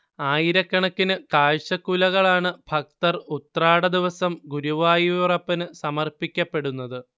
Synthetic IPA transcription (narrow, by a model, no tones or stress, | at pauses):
aːjiɾɐkːɐɳɐkːinɨkaːɻɕɐkːulɐɣɐɭaːɳɨbʱɐk̚t̪ɐrut̪ɐraːɽɐd̪iʋɐsɐmɡuɾuʋaːjirɐpːɐnɨsɐmɐrpikʲːɐpːe̞ɽunːɐðɨ